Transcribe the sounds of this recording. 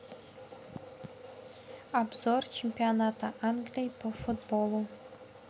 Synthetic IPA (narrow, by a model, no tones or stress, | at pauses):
abzort͡ʃʰempʲionat̪aʔanɡlʲijpʰəfut̪bolˠu